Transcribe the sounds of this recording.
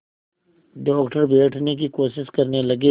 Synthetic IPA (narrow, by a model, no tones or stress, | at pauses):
ɖɔːkʈəɾbeːʈʰnek̬ikoːʃɪʃkɐɾnelɐɡe